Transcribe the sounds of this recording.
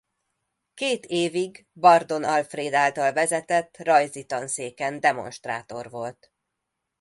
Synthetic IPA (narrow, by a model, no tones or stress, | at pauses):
keːt̪ʰeːviɡ | bɒrd̪o̞nɒlfreːd̪aːlt̪ɒlvɛzɛt̪ɛt̪ːrɒjzit̪ɒnseːkɛnd̪ɛmo̞̰nʃt̪ra̰ːt̪o̞rvo̞lt̪